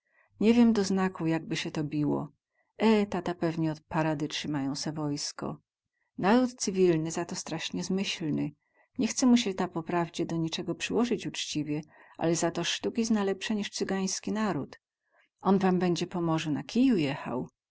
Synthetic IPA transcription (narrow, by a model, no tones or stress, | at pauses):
ɲɛvʲjɛmd̪ɔznakujaɡ̚bɘɕɛt̪ɔbʲiwɔ̰ | ɛt̪at̪apɛvɲɛɔt̪̚paɾad̪ɘtʂɘmajɔ̃w̃sɛvɔjskɔ̰ | naɾut̪t̪sɘvʲilnɘzat̪ɔst̪ɾaʂɲɛzmɘɕlnɘ | ɲɛxt̪sɛmuɕɛt̪apɔpɾavd͡ʑɛd̪ɔɲit͡ʂɛɡɔpʂɘwɔʐɘt͡ɕut͡ʂt͡ɕivʲjɛʔa̰lɛzat̪ɔʂt̪ukʲisnalɛpʂɛɲiʂt̪sɘɡaj̃skʲinaɾut̪ | ɔnvambɛɲd͡ʑɛpɔmɔʐɛnakʲijujɛxa̰w